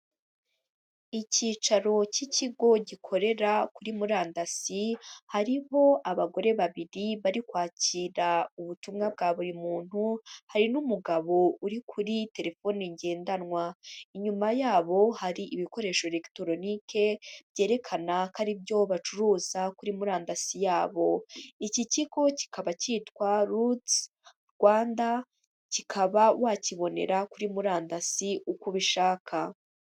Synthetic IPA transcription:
iciːt͡ʃaɾo̞ciciɡo̞ɟikʰo̞ɾe̞ɾakuɾimuɾaːndasihaɾiho̞ʔaβaɡo̞ɾe̞βaβiɾiβaɾikwaːciɾauβutuːmŋab̚ɡaːβuɾimuːn̥huhaɾinumuɡaβo̞uɾikʰuɾite̞ɾe̞fo̞ːniɲɟe̞ːndanŋwaiɲumajaːβo̞haɾiʔiβiko̞ɾe̞ʃo̞ɾe̞ktoɾo̞nikʰe̞bɟe̞ːɾe̞kʰanakaɾibɟo̞βat͡ʃuɾuːzakuɾimuɾaːndasijaːβo̞iciciko̞ci̥kʰaβacitwaɾut | ɾɡwaːnda | cikʰaβawaciβo̞ne̞̰ɾakuɾimuɾaːndasiʔukuβiʃaːkʰa

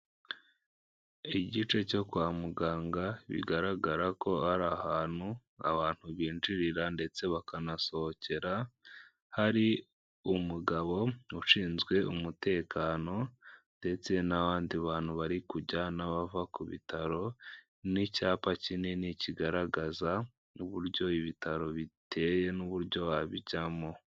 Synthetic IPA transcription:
iɟit͡ʃe̞co̞kwaːmuɡaːŋɡaβḭɡaɾaɡaɾako̞haɾahaːn̥hu | a̰βaːn̥huβiːnd͡ʒiɾiɾande̞t͡se̞βakanaso̞hoce̞ɾa | haɾi | umuɡaβo̞uʃiːnzɡwe̞umute̞ːkʰaːno̞nde̞t͡se̞naβaːndiβaːn̥huβaɾikuɟanaβavakuβḭtʰaɾo̞ | nicaːpacineniciɡaɾaɡaza | uβuɾjɟo̞iβitʰaɾo̞βitʰe̞ːje̞nuβuɾɟo̞βaβiɟamo̞

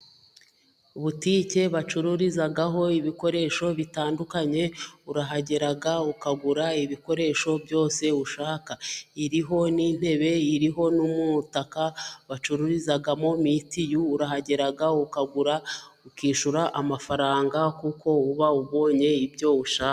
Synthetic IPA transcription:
uβutice̞βat͡ʃuɾuɾizaɡaɦo̞iβiko̞ɾe̞ːʃo̞βitaːndukaɲe̞uɾaɦaɟeɾaɡaukaɡuɾaiβiko̞ɾe̞ːʃo̞bjo̞ːse̞uʃaːkaiɾiɦo̞niːn̥e̞βe̞iɾiɦo̞numutakaβat͡ʃuɾuɾizaɡamo̞mitijuːɾahaɟeɾaɡaukaɡuɾa | ukiːʃuɾaʔamafaɾaːŋɡakukʰo̞uβauβo̞ːɲe̞ibɟo̞uʃaːka

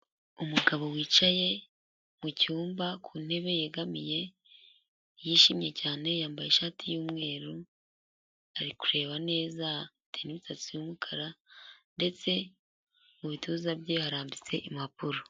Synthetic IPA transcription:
umuɡaβo̞wiːt͡ʃaje̞ | mucuːmbakʰuːn̥he̞βe̞jeɡamije̞ | jiːʃimɲe̞caːne̞jaːmbajeʃaːtʰijuːmŋe̞ːɾu | aɾikuɾe̞ːβane̞ːza | tʰeniβitat͡sujumukʰaɾande̞t͡se̞ | muβituːzabjehaɾaːmbit͡se̞ʔimapuɾo

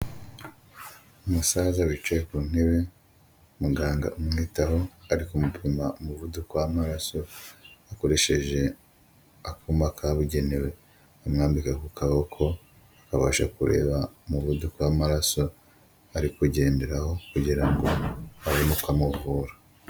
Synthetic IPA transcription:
umusaːzawit͡ʃejekuːn̥he̞βe | muɡaːŋɡa̰ʔumuŋitaɦo̞aɾikumupʰimaumuvudukwamaɾaso̞ako̞ɾe̞ʃe̞ʒe̞ | akumakʰaβuɟe̞newe̞ | amŋaːmbikakukaβokʰo̞ | akaβa̰ːʃa̰kuɾʔe̞̰ːβamuβudukwamaɾaso̞ | aɾikuɟe̞ːndeɾaho̞kuɟiɾaŋɡo̞aβonukamuvuːɾa

